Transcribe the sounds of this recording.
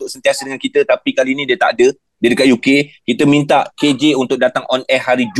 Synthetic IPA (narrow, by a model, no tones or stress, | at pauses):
ʊʔ̚sənt̪iasədəŋankit̪ət̪apikalinĩdiət̪a̰ʔadə | diədəkat̪ʔ̚jukekit̪əmĩnt̪aʔked͡ʒeunt̪ʊk̚dat̪aŋʔɔnɛhaɾid͡ʒ